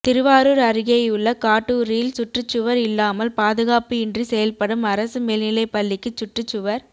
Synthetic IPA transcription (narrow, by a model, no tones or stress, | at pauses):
t̪ɪɾɯʋaːɾuɾɐɾɯɣɐjɯɭːɐkaːʈːɯɾɪjɪlsʊʈrɯt͡ʃːʊʋɐɾɪlːaːmɐlpaːðɯɣaːpɯɪndrisɛjɐlpɐɽɯmɐɾɐsɯmeːlnɪlɐɪpːɐɭːɪkːɯt͡ʃːʊʈrɯt͡ʃːʊʋɐɾ